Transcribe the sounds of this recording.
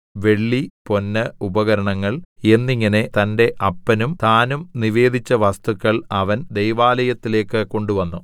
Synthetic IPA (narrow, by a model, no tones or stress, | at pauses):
ʋe̞ɭːipo̞nːɐubɐɣɐɾɐɳɐŋːɐɭe̞nːiŋːɐne̞t̪ɐnde̞ʔɐpːɐnumt̪aːnumniʋe̞ːd̪ʱit͡ɕːɐʋɐst̪ukːɐɭɐʋɐnd̪e̞jʋaːlɐjɐt̪ːile̞ːkːɨko̞ɳɖuʋɐnːu